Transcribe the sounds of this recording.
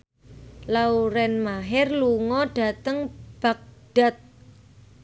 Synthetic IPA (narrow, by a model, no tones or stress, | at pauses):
lauɾɛnmaɦɪrluŋɔɖ̥a̤t̪əŋb̥a̤k̚ɖ̥a̤t̪̚